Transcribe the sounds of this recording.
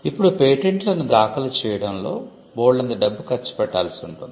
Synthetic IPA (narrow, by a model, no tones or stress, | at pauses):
ipːuɽupeːʈeɳʈlɐnːud̪aːkɐlɐt͡ʃɛːjɐɽɐmlo̞̰ː | boːɭlɐnd̪ɐɖɐbːukɐt͡ʃːu̥pɛʈːa̰ːlɐsiuɳʈund̪i